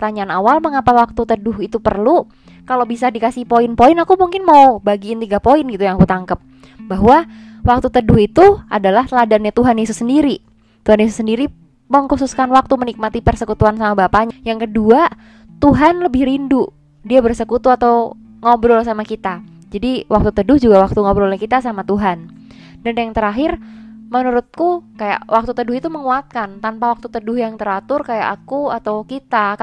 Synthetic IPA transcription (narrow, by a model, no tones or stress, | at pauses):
t̪aɲaːnawalməŋapawak̚t̪ut̪ədʊɦit̪upərlu | kalobisadikasɪhpoɪnpoɪnakumuŋkɪnmaubaɡiːnt̪iɡapoɪnɡit̪ujaŋakut̪aŋkəp̚ | baɦwa | wak̚t̪ut̪ədʊhit̪ua̰dalah̪ladanɲat̪uɦanjesʊsːəndiɾi | t̪uɦanjesʊsəndiɾi | məŋkususkanwak̚t̪umənik̚mat̪ipərsəkut̪uansamabapaɲajaŋkədua | t̪uɦanləbɪhɾindʊ | diabərsəkut̪uat̪aw | ŋobɾɔlsamakit̪a | d͡ʒadiwak̚t̪ut̪ədʊhd͡ʒuɡawak̚t̪uŋobɾɔlɛhkit̪asamat̪uɦan | danjaŋt̪əɾaɦɪrmənuɾʊt̪̚kukaja̰ʔwʔak̚t̪ut̪ədʊɦit̪uməŋuat̪̚kant̪anpawak̚t̪ut̪ədʊhjaŋt̪əɾat̪ʊrkaja̰ʔakuat̪awkit̪a